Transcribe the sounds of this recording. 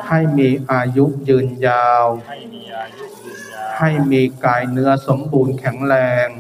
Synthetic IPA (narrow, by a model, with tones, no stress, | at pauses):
ha˥˩jmiː˧ʔaː˧ju˦˥ʔjɯː˧njaː˧w | ha˥˩jmiː˧kaː˨˩jnɯ˦˥ɐso˩˦mbuː˧nkʰɛ˩˦ŋɾɛː˧ŋ